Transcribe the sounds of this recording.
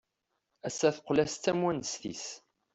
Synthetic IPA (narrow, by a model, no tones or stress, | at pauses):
æsːæθqʷːlæst̪ːæmwænəsθḭs